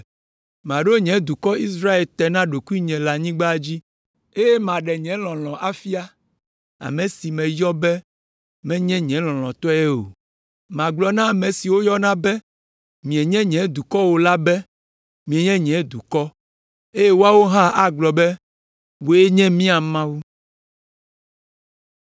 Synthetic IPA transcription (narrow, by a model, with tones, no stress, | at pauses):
mã˨ɖo˦ɲɛ̃˨˦d̪u˨kɔ˦i˦s̬ɾa˦e˨lt̪ɛ˨nã˦ɖo˨ku˦i˦ɲɛ̃˨la˨ɲĩ˦ɡ͡ba˦d͡ʑi˦ | e˦je˦mã˨ɖɛ˨ɲɛ̃˦l̃ɔ̃˨l̃ɔ̃˨ʔa˦fi˦a˦ | a̰˨mɛ̃˨si˨mɛ̃˨jɔ˦bɛ˦ | mɛ̃˦ɲɛ̃˦ɲɛ̃˨˦lɔ̃˨l̃ɔ̃˨t̪ɔ˦ɛ˦o̰˨ | mã˨ɡ͡blɔ˨nã˦˨mɛ̃˨si˨wo˦jɔ˦nã˦bɛ˦ | mĩ˨ɛ˨ɲɛ̃˦ɲɛ̃˨˦d̪u˨kɔ˦wo˨la˦bɛ˦ | mĩ˨ɛ˨ɲɛ̃˦ɲɛ̃˨˦d̪u˨kɔ˦ | e˦je˦wo˦a˦wo˦ɦã˦ʔa˦ɡ͡blɔ˨bɛ˦ | wo˨˦e˦ɲɛ̃˦mĩ˦a˨mã˦wu˦